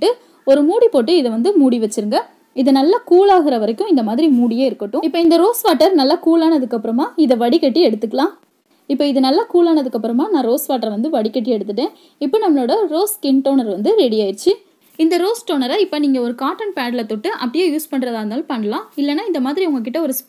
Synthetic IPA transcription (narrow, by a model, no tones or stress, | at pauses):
ʈːɯ | ɔɾɯmuːɽipoːʈːɯɪðɐʋɐnd̪ɯmuːɽiʋɛt͡ʃːɯɾɯŋɡɐ | ɪðɯnɐlːakuːlaːɣɪɾɐʋɐɾɐkːʊ̃ɪnd̪ɐmaːðɪɾimuːɽɪjeːɪɾɯkːɐʈːʊ̃ɪpːɐːɪnd̪ɐɾoːsʋaːʈːɐɾnɐlːakuːlaːnɐðɯkːɐpːɯɾɐmaːɪðɐʋɐɽɪkɐʈːiɛɽɯt̪ːɯkːɐɭãː | ɪpːoːɪðɯnɐlːɐkuːlaːnɐðɯkːɐpːɯɾɐmaːnãːɾoːsʋaːʈːɐɾʋɐnd̪ɯʋɐɽɪkɐʈ̬ːiɛɽɯt̪ːɯʈːẽː | ɪpːoːnɐmːɐɭoːɽɐɾoːskɪnʈoːnɐɾʋɐnd̪ɯɾɛɽɪjaːjɪɾt͡ʃːɯ | ɪnd̪ɐɾoːsʈoːnɐɾɐɪpːoniːŋɡɐɔɾɯkaːʈːɐnpaːɽɪlɐt̪ːɔʈːɯʔɐ̰p̬ːɐɽɪjaːjuːspɐɳːɾɐðaːnaːlpɐɳːɐlãːɪlːɛnːaːɪnd̪ɐmaːðɪɾiʊŋɡɐk̬ːɪʈːɐɔɾɯ